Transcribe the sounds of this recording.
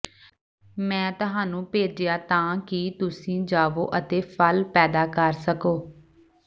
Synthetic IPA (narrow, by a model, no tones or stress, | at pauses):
mɛ̃ːt̪ʊɦãːnũːpeːd͡ʒejaːt̪ãːkɪt̪ʊsĩːd͡ʒaːʋo̰ːʔət̪eːpʰəlpɛːd̪aːkəɾsəkoː